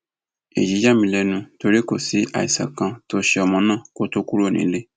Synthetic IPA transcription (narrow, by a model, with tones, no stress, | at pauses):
ḛ˨d͡ʒi˨˦d͡ʒa˦˨mĩ˧lɛ˧nũ˧to˧ɾi˦ko˦˨si˨˦ʔa̰˨i˨sa̰˨kã˧to˧ʃɛ˧ɔ˨mɔ̃˨˦nã˦˨ko˦to˦ku˦ɾo˦˨nḭ̃˨˦le˦